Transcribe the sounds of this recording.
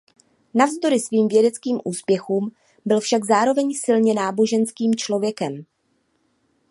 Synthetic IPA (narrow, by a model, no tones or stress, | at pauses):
navzd̪o̞ɾɪsviːmvjɛdɛt͡skiːmʔuːspjɛxuːm | bɪlfʃaɡzaːɾo̞vɛɲsɪlɲɛnaːbo̞ʒɛnskiːmt͡ʃlo̞vjɛkɛm